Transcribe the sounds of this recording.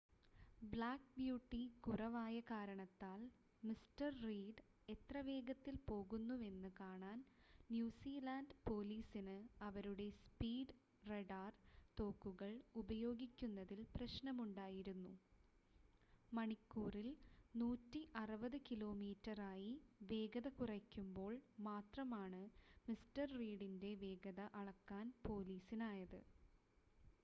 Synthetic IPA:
bɭaːk̚bjuːʈːikurɐʋaːjɐkaːɾɐɳɐt̪ːaːl | mistɐrriːɖ | e̞t̪rɐʋe̞ːɡɐt̪ːilpo̞ːɣunːue̞nːɨkaːɳaːnnjuːsiːlaːnɖpo̞ːliːsinɨɐʋɐɾuɽe̞spiːɖ | reɖaːrt̪o̞ːkːuɣɐɭubɐjo̞ːɡikʲːunːɐðilprɐɕnɐmuɳɖaːjiɾunːu | mɐɳikːuːrilnuːtːiʔɐrɨbɐðɨkilo̞ːmiːtːɐraːjiʋe̞ːɡɐðɐkurɐkʲːumbo̞ːɭmaːt̪rɐmaːɳɨmistɐrːiːɽinde̞ʋe̞ːɡɐðɐʔɐɭɐkːaːnpo̞ːliːsinaːjɐðɨ̰

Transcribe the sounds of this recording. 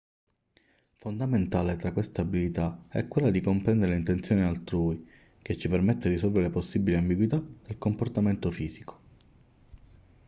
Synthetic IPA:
fond̪ament̪aːlet̪ɾakːwest̪aabilit̪aɛ̰kːwelːad̪ikompɾɛnd̪eɾelint̪ent̪sjoːnialt̪ɾuːi | ket͡ʃːipermet̪ːed̪isɔlveɾeposːibiliambiɡwit̪ad̪̥elkomport̪ament̪ofiːziko̥

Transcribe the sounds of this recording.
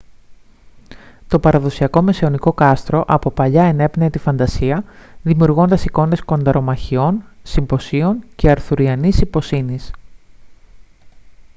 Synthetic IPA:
t̪o̞pɐɾɐðo̞siɐko̞me̞sio̞niko̞kɐst̪ɾo̞ʔɐpo̞pɐʎɐene̞pnet̪ifɐnd̪ɐsiɐðimiuɾɣo̞nd̪ɐsiko̞nd̪e̞sko̞nd̪ɐɾo̞mɐçio̞nsimbo̞sio̞nce̞ɐɾθuɾiɐnisipo̞sinis

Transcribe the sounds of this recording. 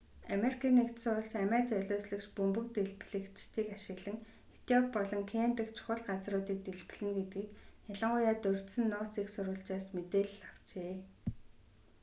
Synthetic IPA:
ameɾikʰiːnekt̪sʊɾə̆ɮsæmæːt͡sœɮʲoːsɮɘ̆kt͡ɕpɵmpɵ̆k̚t̪eɮpɮɘ̆kt͡ɕt̪ʰiːkaʃɪ̆ɣɮɘ̆ŋ | xet̪ɔk̚pɔɮɞ̆ŋkʰeːmp̪ɘ̆kt͡ɕʰʊ̥χə̆ɮɢat͡srʊːt̪iːk̚t̪eɮp̆ɮɘ̆ŋɡet̪ɡiːkjaɮə̆ɴɢʊjaːt̪ɵr̥t̪sɘ̆nːʊːt͡seksʊɾʊ̆ːɬt͡ɕaːsmet̪eːɮaw̥t͡ɕeː

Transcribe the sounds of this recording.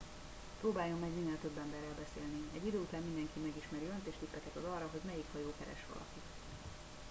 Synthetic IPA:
pɾoːbaːjo̞mːɛɡmiːnɛlt̪ø̞bːɛmbɛrːɛlbɛseːlniɛɟːid̪øːut̪aːmmind̪ɛŋkimɛɡiʃmɛɾiønt̪eːʃt̪ipːɛkɛt̪ɒzɒrːɒɦo̞ɟmɛjikhɒjoːkɛɾɛ̰ʃʋɒ̰lɒ̰kit̪

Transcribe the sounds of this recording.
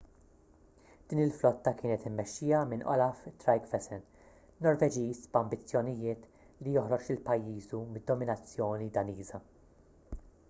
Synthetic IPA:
d̪̥iːnɪlflɔt̪ːɐkɪːnɛt̪ɪmːɛʃːiːjɐmɪnʔɔ̰lɐft̪ɾɐjkfɛsɛn | nɔɾvɛd͡ʒiːsbɐmbɪt͡sːjɔnɪjɪːt̪ | lijɔhɾɔt͡ʃɪlpɐjːiːzumɪd̪ːɔmɪnɐt͡sːjɔːnid̪ɐniːzɐ

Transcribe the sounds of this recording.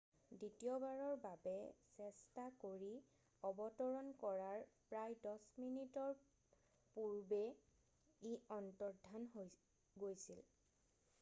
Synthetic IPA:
ditiɔbaɹɔɹbabɛsɛstakoɹi | ɔbɔtɔɹɔnkɔɹaɹpɹajdɔsminitɔɹ | puɹbɛ | iɔntɔɹdʱanɦo | ɡojsil

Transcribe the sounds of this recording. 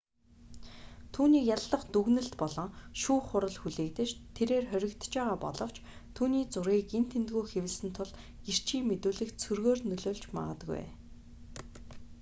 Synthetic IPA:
t̪ʰuːniːkjaɮːə̆χt̪uɣnɘ̆ɬt̪pɔɮɞ̆ŋʃuːχʊɾə̆ɮxuɮeːkt̪ɘ̆t͡ɕt̪ʰeɾeːrχœɾʲɪ̆kt̪t͡ɕpæːʁaːpɔ̰ɮɞ̆w̥t͡ɕt̪ʰuːniːt͡sʊɾiːkent̪ʰent̪ɣuːjxewɘ̆ɮsɘ̆nt̪ʰʊɮ | ɡir̥t͡ɕʰiːmːet̪uːɮɘ̆kt͡sʰɵrɣoːrnɵɮoːɮt͡ɕma̰ʁə̆t̪ɣṵj

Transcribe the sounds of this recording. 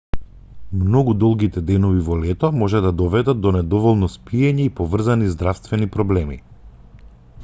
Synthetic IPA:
mnɔɡud̪ɔlˠɡit̪ɛd̪ɛnɔvivɔlɛt̪ɔmɔʒɛd̪ad̪ɔvɛd̪at̪̚d̪ɔnɛd̪ɔvɔlˠnɔspiɛɲɛipɔvr̩zanizd̪ɾafst̪vɛnipɾɔblɛmḭ

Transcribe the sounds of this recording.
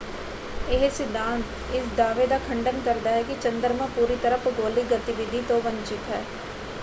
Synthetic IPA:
eɦsɪd̪ʱːãːnt̪ | ɪsd̪aːʋed̪akʰɐ̃ɳɖənkɐɾd̪aɦɛkit͡ʃɐ̃nd̪əɾmẽpuːɾit̪əɾəpɡoːliɡɐt̪ɪʋɪd̪ʱit̪obɐ̃ɲt͡ʃɪt̪ɦɛː

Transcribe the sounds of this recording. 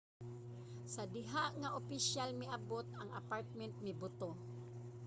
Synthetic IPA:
sɐd̪ɪɦaʔŋaʔopɪʃjalmɪʔɐbot̪̚ɐŋa̰paɹt̪̚mɛnt̪̚mɪbʊt̪o

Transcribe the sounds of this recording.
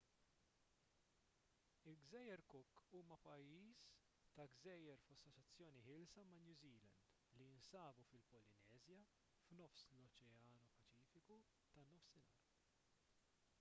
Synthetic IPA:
ɪlɡzɛːjːɛɾkʊkːuːmɐpɐjːiːs | t̪ɐɡzɛːjɛɾfɐsːɔt͡ʃːɐt͡sːjɔːniħɪːlsɐmɐnjuːziːlɐnd̪ | liɪnsɐːbufɪlpɔlɪnɛːzjɐ | fnɔfslɔt͡ʃɛɐːnupɐt͡ʃiːfɪku | t̪ɐnɔfsɪnɐːɾ

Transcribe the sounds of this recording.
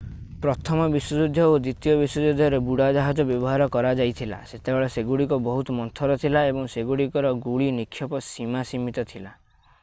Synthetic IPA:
pɾɔt̪ʰɔmɔbiswɔd͡ʒud̪ʱjɔod̪ɾit̪ijɔbiswɔd͡ʒud̪ʱjɔɾebuɽad͡ʒaɦad͡ʒɔbjɔbɔɦaɾɔkɔɾad͡ʒajt̪ʰila̰set̪ebeɭɔseɡuɽikɔbɔɦut̪ɔmɔnt̪ʰɔɾɔt̪ʰilaebɔŋseɡuɽikɔɾɔɡuɭinikʰːjɔpɔsimasimit̪ɔt̪ʰila

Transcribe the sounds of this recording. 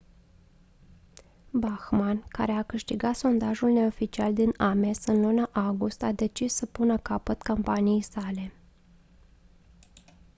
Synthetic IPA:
baxmankaɾe̞akɨʃt̪iɡat̪so̞nd̪aʒulne̞o̞fit͡ʃiald̪iname̞sɨnlunaʔaɡust̪ad̪e̞t͡ʃisːəpunəkapət̪kompanijejsale̞

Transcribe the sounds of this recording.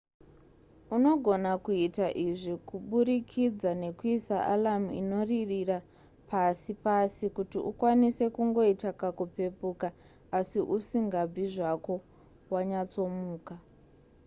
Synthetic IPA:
uno̞ɡʱo̞nakuitaʔiʐikuɓuɾikʰid͡zane̞kuisaʔa̰lamuḭno̞ririra | pʰasipasikutiʔṵkwanise̞kuŋɡo̞itakakupe̞puka | asiʔusiŋɡab͡viʐako̞ | waɲat͡so̞muːka

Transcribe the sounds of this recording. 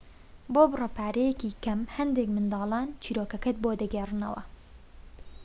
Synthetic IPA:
boːbɨrɐpʰaːɾɛjɛkiːkɐmhɛnd̪eːkmɨnd̪ɑːlɑːnt͡ʃʰiːɾoːkɐkɐt̪̚boːd̪ɨɡɛrɨnɐ̰wɐ̰

